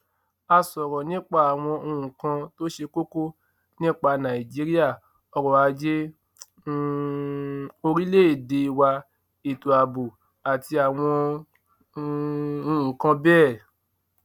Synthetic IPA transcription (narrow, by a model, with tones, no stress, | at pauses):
a˧sɔ˨ɾɔ̃˨nĩ˦k͡pa˦˨a˨w̃ɔ̃˧o˧hũ˨kã˧to˦ʃe˧ko˦ko˦ | nĩ˦k͡pa˧nã˨i˨d͡ʒe˧˦ɾi˦a˦˨ | ɔ˧ɾɔ˨a˨˧d͡ʒe˦ | o˧ɾi˦le˦e˦˨de˨˧i˧wa˧ | i˨to˨a˨bu˨ | a˨ti˧a˨w̃ɔ̃˧ | u˧ũ˨kã˧bɛː˦˨